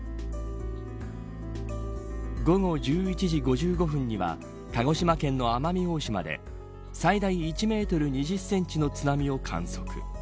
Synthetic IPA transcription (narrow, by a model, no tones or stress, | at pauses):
ɡo̞ɡo̞d͡ʑɨːit͡ɕiʑiɡo̞ʑɨːɡo̞ɸɯ̟̃ɲ̟ːiβa̰ | t̪aɡo̞ɕimakẽ̞nːo̞amamʲio̞ːɕima̰d̪e̞̰ | said̪aiːt͡ɕime̞ːt̪o̞ɾɯ̟ɲ̟iʑɨsːẽ̞ɲt͡ɕino̞t͡sɨnamʲio̞kʰã̰ɰ̃so̞̥kɯ̟̥̰